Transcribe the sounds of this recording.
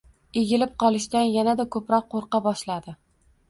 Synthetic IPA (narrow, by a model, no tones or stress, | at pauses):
eɡʲɪlɪp̚qʰɒlˠɪʃt̪anjanad̪akʰɵpɾɒqːoɾqɑbɒʃlad̪ɪ